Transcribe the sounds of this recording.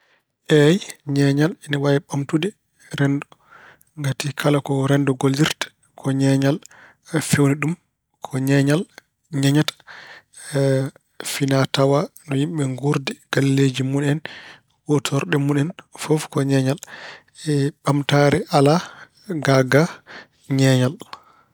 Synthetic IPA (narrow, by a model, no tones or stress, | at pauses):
ʔɛjɲɛɲalɛniwajɛɓamtudɛ | ɾɛndɔ | ŋɡatikʰalakɔɾɛndɔɡoldiɾtḁ | kʰɔɲɛɲal | fewniɗum | kʰɔɲɛɲal | ɲaɲatḁ | finatawanɔjimɓɛŋɡuɾdɛɡ̥alled͡ʒimunɛn | wɔtʰɔɾɗɛmunɛnfɔfkɔɲɛɲal | ɛɓamtaɾɛʔala | ɡaɡa | ɲɛɲal